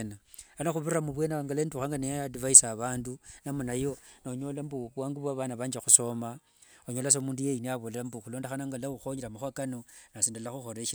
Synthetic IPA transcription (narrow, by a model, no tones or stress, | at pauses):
na | anaxuβuramuβwe̞naŋɡalenduxaŋɡanejadivaisaβaːndunamunajo̞noɲolambuβwaːŋɡuβwaβanaβaːɲd͡ʒexuso̞ma | oɲo̞las̬omuːndujejiniaβolelambuxulo̞ːndexanaŋɡalauxoɲiɾamaxwakanonasindalaxuxoɾeʃ